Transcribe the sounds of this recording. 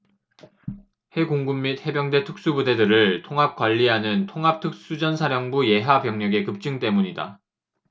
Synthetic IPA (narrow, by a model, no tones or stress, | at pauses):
he̞ɡoŋɡumːit̚he̞bjʌŋde̞tʰɯk̚s͈ubude̞dɯɾɯɭtʰoŋɦap̚k͈waʎːiɦanɯntʰoŋɦap̚tʰɯk̚s͈ud͡ʑʌnsʰaɾjʌŋbuje̞ɦapjʌŋɲʌɡe̞kɯp̚t͡ɕ͈ɯŋt͈e̞muɲida̰